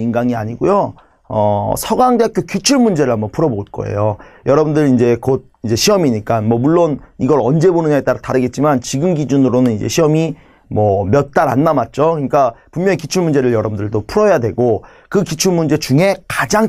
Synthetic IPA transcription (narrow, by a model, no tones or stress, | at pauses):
inɡaŋia̰ɲiɡojo | ʌ̰sʰʌɡaŋdeakʰjokjut͡ɕʰuɭmund͡ʑeɾɯɭɦambʌnpʰuɾʌboɭk͈ʌ̰ḛjojʌɾʌbɯndɯɾind͡ʑe̞kod̚ind͡ʑe̞ɕʰiʌmiɲik͈anmwʌmuɭːoniɡʌɾʌnd͡ʑe̞bonɯnat͈aɾtaɾɯɡe̞t̚t͡ɕ͈imant͡ɕiɡɯmɡid͡ʑunɯɾonɯnind͡ʑe̞̰ɕʰiʌmi | mʌmjʌt̚t͈aɾa̰nːamat̚t͡ɕ͈okɯɲik͈apummjʌŋikit͡ɕʰuɭmund͡ʑe̞ɾɯɭjʌɾʌbundɯɭdopʰuɾʌjadwe̞ɡo | kɯkit͡ɕʰuɭmund͡ʑe̞t͡ɕuŋe̞kad͡ʑaŋ